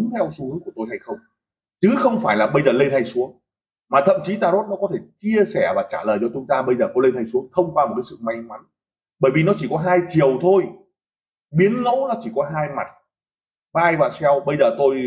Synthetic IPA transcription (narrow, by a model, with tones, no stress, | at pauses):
ŋt̪ʰɛ˧wsu˧˦hɨ˨˦ŋku˧˩t̪o˧jɦa˧jxə˧wŋ͡m | t͡ɕɨ˨˦xə˧wŋ͡mfaː˧˩jlaː˨˩ɓə˧jzəː˨˩le˧nt̪ʰa˧jsu˨˦əŋ | maː˨˩ə̰˧˨mt͡ɕi˨˦t̪aː˧zo˦˥t̚nɔ˨˦kɔ˨˦t̪ʰe˧˩t͡ɕi˧əsɛ˧˩vaː˨˩t͡ɕa̰ː˧˩ləː˨˩jt͡ɕɔ˧t͡ɕʊ˨˦ŋ͡mt̪aː˧ɓə˧jzəː˨˩kɔ˨˦le˧nt̪ʰa˧jsu˨˦əŋt̪ʰə˧wŋ͡mkwaː˧mo˨˩kaː˨˦sɨ̰˧˨ma˧jŋma˨˦n | ɓəː˧˩jvi˨˩nɔ˨˦t͡ɕi˧˩kɔ˨˦ɦaː˧jt͡ɕi˨˩əwt̪ʰo˧j | ɓi˨˦ənːo̰˧˥wnɔ˨˦t͡ɕi˧˩kɔ˨˦ɦaː˧jma̰˨˩t̚ | maː˧jvaː˨˩sɛ˧wɓə˧jzəː˨˩t̪o˧j